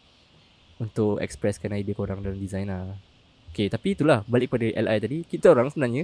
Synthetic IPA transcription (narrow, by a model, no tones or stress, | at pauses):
unt̪ʊʔɛ̰kspɾɛskanaibəkoɾaŋdalamdizajna | oket̪apit̪ulahbalɪk̚padaʔɛlajt̪adikit̪aoɾaŋsəbənaɲa